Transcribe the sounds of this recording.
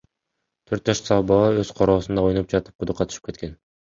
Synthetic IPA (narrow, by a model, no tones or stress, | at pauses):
t̪ʰøɾt̪̚d͡ʒɑʃsɑbɑɑøzqʰoɾoːsund̪ɑojunup̚d͡ʒɑt̪ɯ̥p̚qʰʊd̪uqʰːɑt̪ʰy̥ʃɯ̥pke̞t̪̚ke̞n